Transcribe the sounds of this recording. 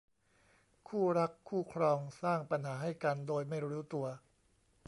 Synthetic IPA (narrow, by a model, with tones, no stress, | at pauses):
kʰuː˥˩ɾa˦˥kʰːuː˥˩kʰɾɔː˧ŋsaː˥˩ŋpa˧nɦaː˩˦ɦa˥˩jka˧ndoː˧jma˥˩jɾuː˦˥t̪u˧ɐ